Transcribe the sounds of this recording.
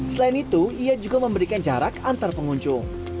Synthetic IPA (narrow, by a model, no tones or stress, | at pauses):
səlaɪnit̪uiad͡ʒuɡaməmbəɾikand͡ʒaɾakant̪arpəŋuɲt͡ʃʊŋ